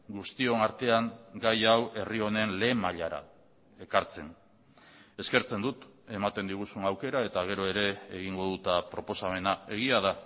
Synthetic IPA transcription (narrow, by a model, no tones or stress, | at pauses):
ɡust̪ionaɾt̪e̞aŋɡajawʔe̞rio̞ne̞nle̞ːmaʎaɾa̰ | e̞kaɾt͡se̞n | e̞ske̞ɾt͡se̞nd̪ut̪e̞mat̪e̞nd̪iɣ̞usunawke̞ɾae̞t̪aɣ̞e̞ɾo̞e̞ɾe̞ːɣiŋɡo̞ðut̪apɾo̞po̞same̞nae̞ɣiað̞a